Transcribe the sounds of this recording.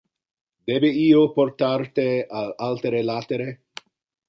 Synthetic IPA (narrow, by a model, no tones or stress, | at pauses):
d̪ebeiːoport̪art̪ealalt̪eɾelat̪eɾe